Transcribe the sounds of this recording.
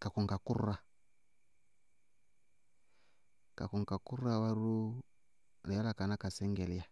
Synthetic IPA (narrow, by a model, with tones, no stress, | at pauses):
ka˨ku˨ŋɡa˨ku˦ɾa˨ | ka̰˨ku˨ŋ˨ka˨ku˦ɾa˦wa˦ɾu˦ | ni˨ja˦la˦˨ka˨na˦ka˨sɛ˦ŋɡɛ˨la˨